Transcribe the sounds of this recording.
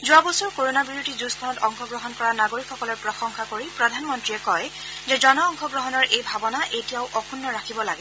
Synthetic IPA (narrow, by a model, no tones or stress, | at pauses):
zuabɔsuɹkoɹonabiɹutizuskʰɔnɔtɔŋxɔɡɹɔɦɔnkɔɹanaɡoɹikʰːɔkɔlɔɹpɹɔxɔŋxʰakoɹipɹɔdʱanmɔntɹiɛkɔj | zɛzɔnɔːŋxɔɡɹɔɦɔnɔɹʔejbʱabɔnaʔejtijaʊʔɔkʰunːɔɹakʰibɔlaɡɛ